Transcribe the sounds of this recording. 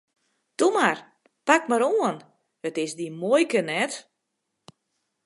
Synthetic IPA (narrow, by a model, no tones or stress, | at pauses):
tumar | pakmaɾoən | ətɪsdimojkənɛt